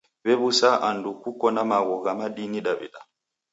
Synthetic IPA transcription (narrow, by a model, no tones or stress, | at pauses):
bɛbusaʔandukukːɔnamaɡɔɡamaɗiniɗaɓḭɗa